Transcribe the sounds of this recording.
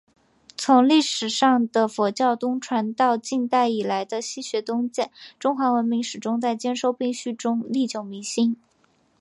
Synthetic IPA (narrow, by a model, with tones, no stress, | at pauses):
t͡sʰʊ˧˥ŋli˥˩ʂɻ̩˨˩ʂɑ˥˩ŋd̪ə˩fɔ˧˥t͡ɕjɑ˥˩ʊt̪ʊ˥ŋʈ͡ʂʰwa˧˥nt̪ɑ˥˧ʊt͡ɕi˥˧nt̪a˥˩ɪi˨˩la˧˥ɪd̪ə˧ɕi˥ɕɥɛ˧˥t̪ʊ˥ŋt͡ɕjɛ˥˩nʈ͡ʂʊ˥ŋxwa˧˥wə˧˥nmi˧˥ŋʂɻ̩˨˩ʈ͡ʂʊ˥ŋt͡sa˥˩ɪt͡ɕjɛ˥nʂo˥˧ʊpi˥˧ŋɕy˥˧ʈ͡ʂʊ˥ŋli˥˩t͡ɕjo˨˩ʊmi˧˥ŋɕi˥n